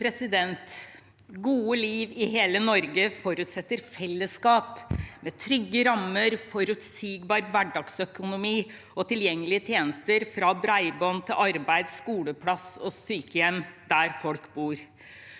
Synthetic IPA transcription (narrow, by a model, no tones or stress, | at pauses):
pʰɾɛsɪd̪ɛnt̪ | ɡuːəliːʋɪɦeːlənɔɾɡəfɔɾʉt̪sɛt̪ːəɾfɛlːəskɑːpmɛt̪ʰɾʏɡːəɾɑmːəɾfɔɾʉt̪siːɡbɑːɾʋæɖɑɡsœkʊnʊmiː | ɔt̪ɪljɛŋːəlɪət̪ʰjeːnəst̪əɾfɾɑbɾæɪbɔnt̪ʰɪlʔɑɾbæɪd̪skuːləpʰlɑsɔsyːkəjɛmd̪æɾfɔlkbuːɾ